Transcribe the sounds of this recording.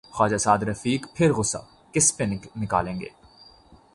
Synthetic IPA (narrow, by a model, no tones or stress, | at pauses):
xɔːd͡ʒasaːd̪ɾɐfiːkpʰɪɾɣʊsa̰ | kɪspenɪknɪka̰ːlẽːŋɡḛː